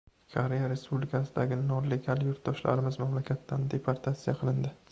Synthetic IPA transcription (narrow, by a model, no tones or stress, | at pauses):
kʰoɾe̞jaɾe̞spublɪkʰasɪd̪aɡʲɪnɒle̞ɡʲaljʊɾt̪̚d̪ɒʃla̰ɾɪmɪzmamlakʲʰat̪ːand̪e̞pʰaɾt̪ʰat̪sijaqʰɨlˠɪnd̪ɪ